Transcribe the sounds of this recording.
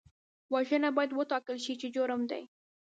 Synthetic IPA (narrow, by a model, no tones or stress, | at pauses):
waʒənabɑjad̪wət̪ɑkəlʃit͡ʃed͡ʒoɾəmd̪a̰j